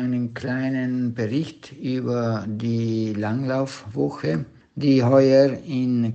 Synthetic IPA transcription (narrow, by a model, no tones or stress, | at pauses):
ɪnənkʰl̥aɪnənbəʁɪçtʔyːbɐdiːlaŋlaʊfvɔxə | d̥iːɦɔʏəɪn